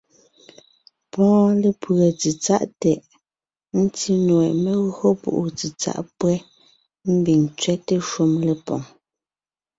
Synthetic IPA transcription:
pɔ̃ː˦le˨pə˨t͡si˨t͡sa̰˦˨ʔtɛ˨ʔ | n̩˦ti˦nwɛ˨ʔme˦ɣɰo˦pṵ˨ʔu˨t͡si˨t͡sa̰˦ʔpwɛ˦ | m̩˦bi˨ŋt͡sɥɛ˦te˦ʃu˦mle˨pɔ̰̃˨ŋ

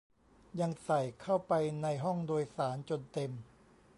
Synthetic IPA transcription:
ja˧ŋsa˨˩jkʰa˥˩wpa˧jna˧jɦɔ˥˩ŋdoː˧jsaː˩˦nt͡ɕo˧nt̪e˧m

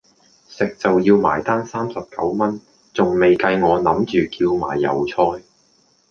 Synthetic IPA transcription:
sɪ˨k̚t͡sɐ˨wjiː˧wma̰ː˨˩jt̪aː˥ŋsaː˥msɐ˨p̚kɐ˨˥wmɐ˥n | t͡sʊ˨ŋme˨jkɐ˧jŋɔː˨˧nɐ˨˥mt͡ʃyː˨kiː˧wma̰ː˨˩jːɐ̰˨˩wt͡sʰɔː˧j

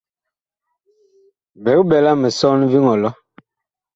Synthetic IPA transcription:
bɛ˨˦kɓɛ˨la˦mɛ˨sɔ˦nvi˦ŋɔ˨lɔ˦

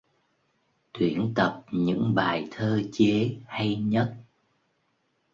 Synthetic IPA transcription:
t̪wi˧˩ənt̪ə˨˩p̚ɲɨ̰˧˥ŋɓaː˨˩jt̪ʰəː˧t͡ɕe˨˦ha˧jɲə˦˥t̚

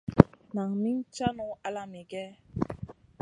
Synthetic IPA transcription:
na˨ŋmi˦n˦t͡ʃa˦nɔ˨˦a˦la˨mi˨ɡɛ˦

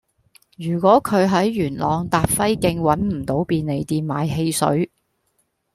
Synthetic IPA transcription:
jyː˨˩kʷɔː˨˥kʰɵ˨˧ɥɦɐ˨˥jːyː˨˩nlɔː˨˧ŋt̪aː˨t̚fɐ˥jkɪ˧ŋwɐ˨˥nm̩˨˩t̪o˨˥wpiː˧nne˨˧jt̪iː˧nmaː˨˧jɦe˧jsɵ̰˨˥ɥ

